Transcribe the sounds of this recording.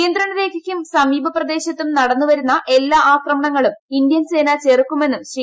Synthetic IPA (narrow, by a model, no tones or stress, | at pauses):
jɐnd̪ɾɐɳɐɾe̞ːkʰɐkʲːumsɐmiːbʱɐprɐd̪eːɕɐt̪ːumnɐɽɐnːuʋɐɾunːɐʔe̞lːaːʔaːkrɐmɐɳɐŋːɐɭumind̪jɐnse̞ːnat͡ɕe̞rkːume̞nːumɕri